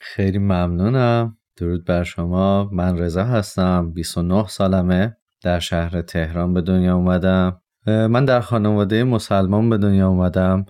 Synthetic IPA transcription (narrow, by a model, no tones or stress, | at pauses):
xejliːmæmnuːnæm | d̪̥oɾuːd̪̚bæɾʃo̞mɒːmænre̞zɒːɦæst̪æmbisonohsɒːlæme | d̪̥æɾʃæhɾe̞t̪ʰe̞hɾɒːnbe̞d̪o̞njɒːumæd̪æm | mænd̪æɾxɒːnevɒːd̪ejemo̞sælmɒnbe̞d̪o̞njɒːumæd̪æm